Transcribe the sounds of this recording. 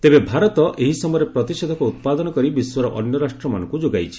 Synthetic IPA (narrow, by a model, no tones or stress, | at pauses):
t̪ebebʱaɾɔt̪ɔʔeɦisɔmɔjɔɾepɾɔt̪ised̪ʱɔkuut̪̚pad̪ɔnɔkɔɾibiswɔɾɔʔɔ̰njɔɾasʈɾɔmanɔ̃ŋkud͡ʒoɡajt͡ʃʰi̥